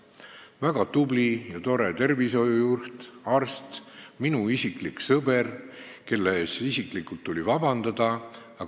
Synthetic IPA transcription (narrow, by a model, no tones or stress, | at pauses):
væɡ̥ɑt̪ublijɑt̪o̞ɾe̞t̪e̞rviso̞jujurht̪ɑrst̪minuisikliksɤberke̞lːesisiklikult̪ːulʲivɑb̥ɑnd̪̥ɑd̪̥ɑ | ɑ